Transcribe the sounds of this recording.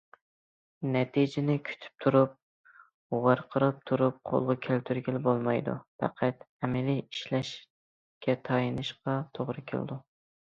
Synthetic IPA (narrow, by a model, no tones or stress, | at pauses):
nɛt̪ʰid͡ʒɪnɪkʲʰy̥t̪ʰy̥p̚t̪ʰuɾup̚ | wɑɾqʰəɾɨp̚t̪ʰuɾup̚qʰo̰lˠʁɑkʲʰælt̪ʰyɾɡʲɪlɪbolˠmɑjd̪ṵfɑ̰qʰæt̪ | ɛmɪliiʃlɛʃ | kʲʰɛt̪ʰɑjɨnɨʃqɑt̪ʰoʁɾɨkʲʰɪ̰l̰d̪u